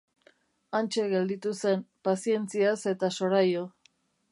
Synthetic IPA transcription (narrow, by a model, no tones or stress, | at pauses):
ant͡ʃe̞ɣe̞ld̪it̪use̞mpasie̞nt͡siase̞t̪aso̞ɾajo